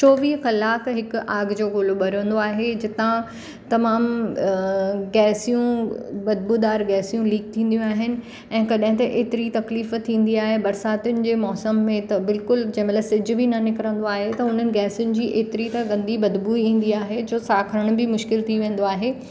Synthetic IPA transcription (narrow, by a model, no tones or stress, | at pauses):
t͡ɕoːʋiːɦxɐlaːkɦɪkʊaːɡd͡ʑoːɡʊloɓɐɾə̃nd̪oaːɦed͡ʑɪt̪ã | t̪ɐmaːm | ɡɛːsijũbɐd̪̚buːd̪aːɾɡɛːsijũliːk̚t̪ʰĩːnd̪jũaːɦɪnɪ̆ | ɛ̃ːkɐɗɦɪ̃t̪̬ɐʔeːt̪ɪɾit̪ɐkliːft̪ʰĩːn̆d̪iaːɦebɐɾsaːt̪jʊnɪ̆d͡ʑeːmɔːsəmːẽt̪ɐbɪlkʊld͡ʑɐ̃ɦɪ̃mɐt̪lɐsɪd͡ʑʱʊ̆bʱɪnɐnɪkɾə̃nd̪oaːɦet̪ɐʊn̤ənɪ̆ɡɛːsʊnɪ̆d͡ʑiːʔeːt̪ɪɾit̪ɐɡɐ̃nd̪ibɐd̪buːiĩːn̆d̪iaːɦed͡ʑoːsaːkʰəɾəɽ̃bɪmʊʃkɪlt̪ʰiʋẽːn̆d̪oaːɦeː